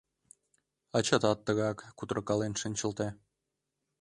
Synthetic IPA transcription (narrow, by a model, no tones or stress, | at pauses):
ɑt͡ɕɑt̪ɑt̪ːəɣɑkːut̪ɾɤkɑlenʃənʲt͡ɕə̆lt̪e